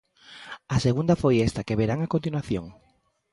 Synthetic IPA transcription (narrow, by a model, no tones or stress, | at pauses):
ɐseɣund̪ɐfojɛst̪akeβeɾaŋakont̪inwaθjoŋ